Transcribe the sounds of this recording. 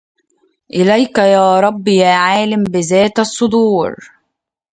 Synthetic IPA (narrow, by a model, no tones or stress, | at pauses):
ʔɪlæjkæjaːɾˤɑbːjaːʕaːlɪmbɪzæːt̪ɑsˤːʊd̪ˤuːɾ